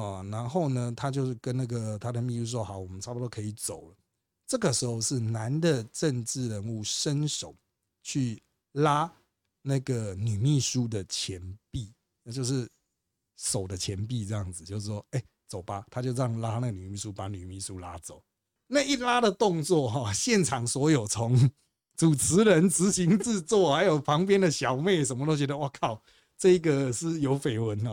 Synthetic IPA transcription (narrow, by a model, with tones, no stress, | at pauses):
ɻa˧˦nxo˥˩ʊnə˩t̪ʰa˦t͡ɕjo˥˧ʊʂ̩˥˩kə˦nna˥˩ɡə˩t̪ʰa˥d̪ə˨mi˥˧u˥˧s̬wɔ˥˩xɑ˨˦wɔ˨˩mə˦nʰa˥pu˨˩o˥kʰe˧˥i˨˩t͡so˨˩ʊlə˦ | ʈ͡ʂə˥˩ɡə˩ʂɻ̩˧˦˥xo˥˧ʊʂɻ̩˥˩na˨˦nd̪ə˨ʈ͡ʂə˥˧nʈ͡ʂɻ̩˥˩ɻə˧˥nu˥˩ʂə˦˥nʂo˨˩ʊ | t͡ɕʰy˥˩ | la˦˥ | na˥˩ɡə˩ny˨˩mi˥˩ʂu˦˥d̪ə˨t͡ɕʰjɛ˨˦npi˥˨ | t͡ɕjo˥˧ʊʂɻ̩˥˩ | so˨˩ʊd̪ə˦t͡ɕʰjɛ˧˦np̬i˥˧t͡sɤ˥˧jɑ˥˩ŋd͡zɹ̩˨˩t͡ɕjo˥˧ʊʂ̩˥˩ʂwɔ˦˥e˥˩ɪ | t͡so˨˩ʊpa˨˦t̪ʰa˥t͡ɕjo˥˧ʊɻɑ˥˩ŋla˦na˥˩ɡə˩ny˨˩mi˥˩su˦pa˨˦ny˨˩mi˥˩su˦la˦˥t͡so˨˩˦ʊ | na˥˧i˥˩la˦ɾə˨t̪ɔ˥˧ŋt͡swɔ˥˨ɦɔ˥˨ɕjɛ˥˨nʈ͡ʂʰɑ˨˩ŋswɔ˧˥jo˨˩ʊt͡sʰo˨˧˦ŋ | t͡su˨˩t͡s̩ʰ˧˦ɻə˧˦nt͡sɹ̩˧˦ɕi˧˦ŋt͡sɹ̩˥˧t͡swɔ˥˨xa˧˦ɪjo˨˩ʊpʰɑ˧˦ŋpjɛ˥nd̪ə˨ɕjɑ˨ʊme˥˩ɪsə˧nmə˧t̪o˥ʊt͡ɕɥɛ˧d̪ə˧wa˥˩kʰɑ˥˩ʊ | t͡sɤ˥˧i˦˥ɡə˨ʂ̩˥˩jo˧˦˥ʊfe˨˩ɪwə˨˦nɔ˨